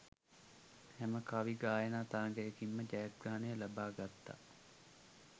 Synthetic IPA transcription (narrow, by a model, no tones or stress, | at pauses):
hæməkaʋiɡaːjənaːt̪aːŋɡɛjəkimːəd͡ʒajat̪̚ɡaːnejəlɐbaːɡat̪ːa̰